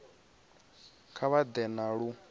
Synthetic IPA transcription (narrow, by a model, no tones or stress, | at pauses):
kʰaβad̪ɛnaɺu